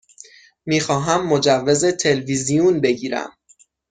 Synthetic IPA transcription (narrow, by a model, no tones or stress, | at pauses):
miːxɒːɦæmːod͡ʒævːe̞ze̞t̪ʰe̞lvizijunbe̞ɡiːɾæ̰m